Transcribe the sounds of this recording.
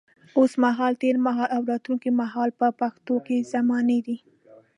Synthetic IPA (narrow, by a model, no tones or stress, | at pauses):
osmaɦɑlt̪eɾmaɦɑlʔawɾɑd̪uŋkimaɦɑlpəpaxt̪okezamɑned̪i